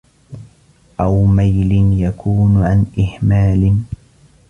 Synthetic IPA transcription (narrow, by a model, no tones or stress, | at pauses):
ʔawmajlɪnjakʰuːnʕanʔɪhmaːlɪn